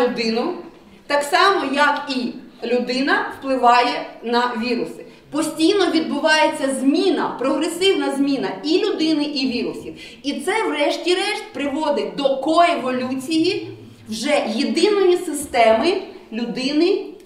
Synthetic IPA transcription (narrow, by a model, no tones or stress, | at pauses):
ʊd̪ɪnʊ | t̪ɑksɑmɔjɐkilʲʊd̪ɪnɐwplˠɪʋɑjɛnɐʋʲiɾʊsɪ̥ | pɔsʲtʲijnɔʋʲid̪̚bʊʋɑjet͡sʲːɐzʲmʲinɐpɾɔɦɾesɪwnɐzʲmʲinɐilʲʊd̪ɪnɪʔiʋʲiɾʊsʲiw | it̪sɛwrɛʃtʲiɾɛʃt̪̚ʲpɾɪʋɔd̪ɪd̪ɔkɔeʋɔlʲut͡sʲiji | wʒɛjed̪ɪnɔjisɪst̪ɛmɪlʲʊd̪ɪnɪ